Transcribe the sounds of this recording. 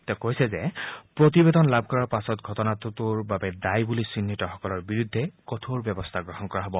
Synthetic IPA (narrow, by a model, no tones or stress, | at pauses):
t̪ɛkojsɛzɛpɹot̪̬ibed̪ɔnlab̚ʱkɔɹaɹpasɔtɡʱɔtɔnatʊtuɹbabɛdajbulisinːitɔxɔkɔlɔɹbiɹud̪ʱːɛkɔt̪ʰoɹbjɔbɔst̪ʰaɡɹɔɦɔnkɔɹaɦɔbɔ